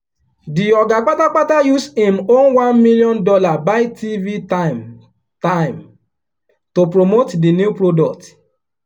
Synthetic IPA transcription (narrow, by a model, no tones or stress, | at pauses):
diɔɡak͡patak͡patajusemonwãnmiliɔ̃ndɔlabaɪtʰivitam | tãɪ̃m | topɹomotdinjupɾodɔk̚t